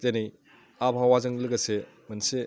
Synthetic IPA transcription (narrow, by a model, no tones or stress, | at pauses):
tenej | abʰʱawazɐŋlɯɡɐse | mɐnse